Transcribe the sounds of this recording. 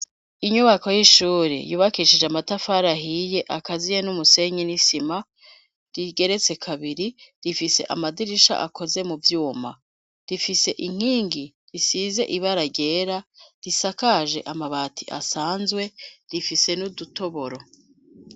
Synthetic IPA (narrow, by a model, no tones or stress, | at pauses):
iɲuβako̞jiʃuːɾḭjuːβakiʃid͡ʒeamatafaɾaɦije̞ʔakazijenumuse̞ɲinisima | ɾiɡe̞ɾe̞t͡se̞kʰaβiɾiɾifise̞̰ʔa̰madiɾiʃa̰ʔa̰kʰo̞ze̞muvjuːma | ɾifise̞ʔiŋ̥hiːŋɡi | ɾisize̞̰ʔiβaɾaɟe̞ːɾaɾisakaʒe̞̰ʔamaβaːtʰiʔa̰saːnzwe̞ɾifise̞nuduto̞βo̞ɾo̞